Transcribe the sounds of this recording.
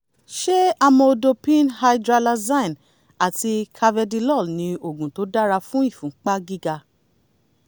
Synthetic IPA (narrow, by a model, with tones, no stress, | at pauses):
ʃe˦a˧mɔ̃˧o˧do˧pĩ˦nha˧jdɾa˧la˧zã˦˨ĩ˨n | a˨ti˧kʰa˧vɛ˧di˧lɔ˦˨lnĩ˧o˨ɡũ˨to˨˦da˦ɾa˧fũ˦i˦˨fũ˨˦k͡pa˦ɡi˦ɡa˧